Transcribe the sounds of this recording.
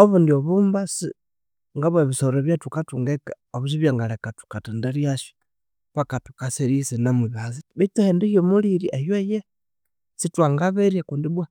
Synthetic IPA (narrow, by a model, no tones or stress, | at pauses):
oβundioβumbasi | ŋɡaβwaβisoɾeβjatukatuŋɡeka | oβus̬iβjaŋɡalekatu̥katendaɾjaʃo̥ | βakatu̥kaseɾisenamiβaziβeitohendujomuliɾiʔejoje | sitwaːŋɡaβeɾjakundiβwa